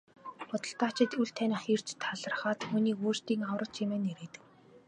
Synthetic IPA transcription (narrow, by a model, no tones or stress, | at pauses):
χʊt̪ɞ̆ɬt̪ʰaːt͡ɕɪ̆t̪uɮt̪ʰæːnʲăχer̥t͡ɕt̪ʰaɮə̆rχaːt̪xuːniːkoːrt̪iːŋawrə̆t͡ɕʰimeːneɾeːt̪ɘ̥̆k